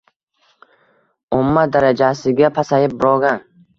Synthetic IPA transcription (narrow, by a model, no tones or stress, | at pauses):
ʊmːad̪aɾad͡ʒasɪɡʲapʰasajɪp̚bʊɾɒɡan